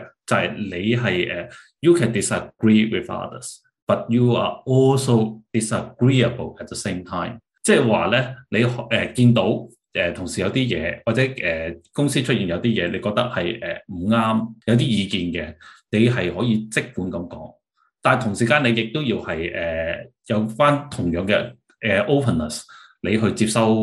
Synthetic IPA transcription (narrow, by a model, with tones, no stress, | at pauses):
t͡sɐ˨hɐ˨jle˨˧jɦɐ˨jʔɛː˨˩ | juː˨˩kʰɛː˨ndɪ˨sə˨ɡɹiː˥wɪ̰˨˩θɐ̰˥ðə̰˨˩s | b̥ɐ˨t̚juː˨a̰ː˨ɔː˥lso˨wd̥ɪ˨səɡɹiː˥ɐ˨bə˨lɛ˨t̚ðə˨se˥mt̪ʰaː˥ɪm | t͡sɛː˥˩waː˨lɛː˥ne˨˧jɛː˨kiː˧nt̪̬o˨˥w | ʔɛː˨t̪ʰʊ˨˩ŋsiː˨˩jɐ˨˧wt̪iː˥jɛ̰ː˨˧waː˨t̚t͡sɛː˨˥ɛː˨˩kʊ˥ŋsiː˥t͡ʃʰɵ˥t̚iː˨˩njɐ˨˧wt̪iː˥jɛː˨˧le˨˧kɔ˧k̚t̪ɐ˥k̚hɐ˨jʔɛ̰ː˨m̩˨˩ŋaː˥mjɐ˨˧wt̪̬iː˥jiː˨˧kiː˧nkɛ˧ne˨˧jɦɐ˨jhɔː˨˥jiː˧t͡sɪ˥k̚kuː˨˥nkɐ˨˥mkɔ̰ː˨˥ŋ | t̪aː˨˩nt̪ʰʊ˨˩ŋsiː˨˩kaː˧ne˨˧jɪ˨k̚t̪o˥wjiː˧whɐ˨jʔɛː˨ | jɐ˨˧wfaː˥nt̪ʰʊ˨˩ŋjœː˨˧ŋkɛ̰ː˧ | ɛː˨ʔo˥wpʰə˨nːɐ˨˩s | le˨˧jɦɵ˧ɥt͡siː˧p̚sɐ˥w